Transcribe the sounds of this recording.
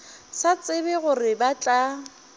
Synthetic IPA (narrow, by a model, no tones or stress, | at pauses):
sat͡sʼɪbɛɣʊrɪbat͡ɬʼa